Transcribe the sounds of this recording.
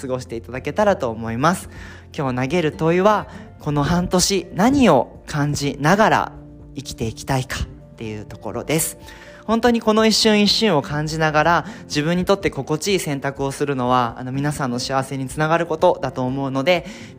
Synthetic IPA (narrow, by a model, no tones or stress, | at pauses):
sɨɡo̞ɕi̥t̪e̞it̪ad̪ake̞t̪aɾat̪o̞ːmo̞imasɨ̥ | kʲo̞ːnaɡe̞ɾɯ̟t̪o̞iβa | ko̞no̞hãnt̪o̞ɕinaɲ̟io̞ | kʰãɲ̟d͡ʑinaɡaɾa̰ | ikʲi̥t̪e̞ikʲi̥t̪aikḁ | t̪ːe̞jɯ̟t̪o̞̥ko̞̰ɾo̞̰d̪e̞sɨ̥ | hõ̞nt̪o̞ɲ̟iko̞no̞iɕːɨ̃ɰ̃iɕːɨ̃ɰ̃o̞kãɲ̟d͡ʑinaɡaɾad͡ʑibɯ̟̃ɲ̟ːit̪o̞t̪ːe̞ko̞ko̞t͡ɕiːsẽ̞nt̪akɯ̟o̞sɨɾɯ̟no̞βaa̰no̞mʲinasãnːo̞ɕiaβase̞ɲ̟it͡sɨnaɡaɾɯ̟ko̞t̪o̞d̪at̪o̞ːmo̞ɯ̟no̞d̪e̞